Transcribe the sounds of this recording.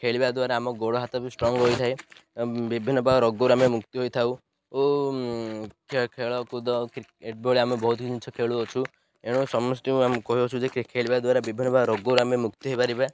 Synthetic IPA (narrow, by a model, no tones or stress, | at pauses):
kʰeɭibad̪uaɾeamɔɡoɽɔɦat̪ɔbisʈɾɔŋɡɦojt̪ʰaj | bibʱinːɔbaɾɔɡoɾamemukt̪iɦojt̪ʰau | o | kekʰeɭɔkud̪ɔkeʈ̚boɭiamebɔɦut̪kid͡ʒit͡ʃʰɔkʰeɭuɔt͡ʃʰu | eɽ̃ũsɔmɔsʈ̪iuamkɔɦiɔt͡ʃʰud͡ʒekkʰeɭibad̪waɾebibʱinːɔbaɾɔɡoɾamemukt̪iɦojbaɾibe